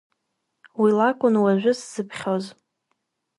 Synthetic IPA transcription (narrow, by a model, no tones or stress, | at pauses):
wilakʷʼʊnwaʒᶣʷʊsz̥ɨpʰχʲoz